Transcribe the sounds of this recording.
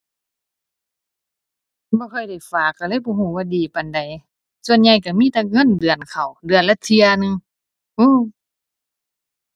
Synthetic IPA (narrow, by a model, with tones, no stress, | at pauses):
bɔː˧˦kʰɔ˧˩jda˧˩jfaː˨˩kːa˧˩lɤː˧˥˨jbɔː˧˦ɦuː˧˩waː˧diː˨˩pa˨nda˨˩j | su˧ə˨nɲa˧˩jka˧˩miː˧˥˨t̪ɛː˧˩ŋɤ˧˥˨ndɯ˨˩ənkʰa˨˩wdɯ˧ənla˧t̪̚si˧ɐnɯ˧ŋ | ʔɯː˧˥˨